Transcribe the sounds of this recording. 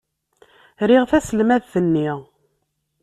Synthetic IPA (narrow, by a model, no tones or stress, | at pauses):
ɾiʁθæsəlmæðθənːiʁ